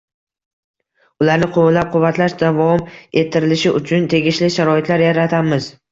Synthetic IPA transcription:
ʊlaɾnɪqʰowlap̚qʰʊvːat̪ʰlaʃd̪avɒme̞t̪ʰːɪɾɪlɪʃɪʔʊt͡ʃʰʊnt̪ʰe̞ɡʲɪʃlɪʃaɾɒɪt̪ʰlaɾjaɾat̪ʰamɪz

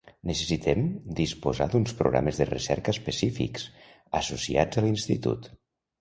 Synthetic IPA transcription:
nəsəsit̪ɛmd̪ispozad̪unspɾo̰ɣɾa̰məzðəresɛ̰ɾkəːspəsifḭks | əsosia̰d͡zəlinst̪it̪ṵt̪

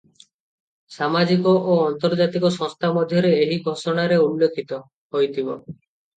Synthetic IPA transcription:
samad͡ʒikoʔoɔnt̪ɔɾd͡ʒat̪ikɔsɔ̃ŋst̪ʰamod̪ʱjɔɾeeɦiɡʱosoɽ̃aɾeulːokʰːit̪ɔ | ɦojt̪ʰibo

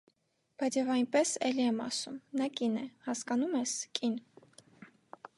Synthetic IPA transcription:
b̥ɑjt͡sʰjɛvɑjnpɛsɛliɛmɑ̰sumnɑkinɛhɑskɑnumɛskʼin

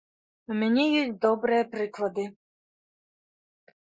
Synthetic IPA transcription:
umʲɛnʲijisʲd̪ɔbɾɛjɛpɾɪklˠɐd̪ɪ

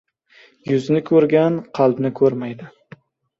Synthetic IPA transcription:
jʊznɪkʰɵɾɡʲanqʰɑlˠbnɪkʰɵɾmajd̪ɪ

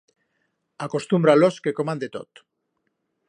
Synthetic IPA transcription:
ako̞st̪umbɾalo̞ske̞ko̞mãnd̪e̞t̪o̞̰t̪

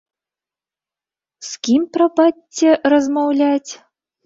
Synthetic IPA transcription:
skʲimprɐpɑtʲːĕrəzmɑwlʲatʲ

